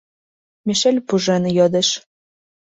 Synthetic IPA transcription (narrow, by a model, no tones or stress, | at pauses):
miʃelʲpuʒenjod̪ĕʃ